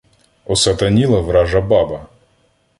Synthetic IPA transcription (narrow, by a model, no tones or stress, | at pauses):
ɔsɐt̪ɐnʲilˠɐvɾaʐɐbabɐ